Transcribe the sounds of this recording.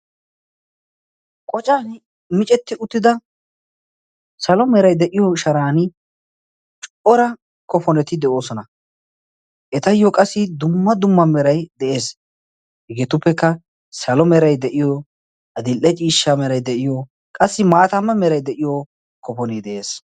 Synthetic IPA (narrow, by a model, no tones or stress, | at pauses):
kʼɔt͡ʃʼaːn | mɪt͡ʃʼɛt̪ːɪʊt̪ːɪd̪ɐ | sɐlɔmɛɾɐjd̪ɛʔɪjɔʃɐɾaːn | t͡ʃʼʊʔɔɾɐ | kɔfɔnɛt̪ɪd̪ɛʔo̞ːsɔnɐ | ʔɛt̪ɐjɔkʼɐsːɪd̪ʊmːɐd̪ʊmːɐmɛɾɐjd̪ɛʔe̞ːs | hɛɡet̪ʊpːɛkːɐ | sɐlɔmɛɾɐjd̪ɛʔɪjɔ | ɐd̪ɪlʔɛt͡ʃʼiːʃːamɛɾɐjd̪ɛʔɪjɔ | kʼɐsːɪmaːt̪ɐmːɐmɛɾɐjd̪ɛʔɪjɔ | kɔfɔnɛd̪ɛʔe̞ːs